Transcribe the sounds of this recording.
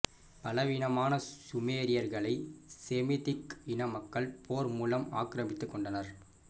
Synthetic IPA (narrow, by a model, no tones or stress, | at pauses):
pɐlɐʋɪnɐmaːnɐsʊmeːɾɪjɐɾɣɐɭɐɪsemɪt̪ɪkɪnɐmɐkːɐɭpʰoːɾmuːlɐma̰ːkɾɐmɪt̪ːɯkːɔɳɖɐnɐɾ